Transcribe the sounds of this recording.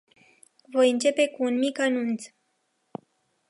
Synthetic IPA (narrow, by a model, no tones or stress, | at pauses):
vo̞jɨnt͡ʃe̞pe̞kuːnmikanunt̪s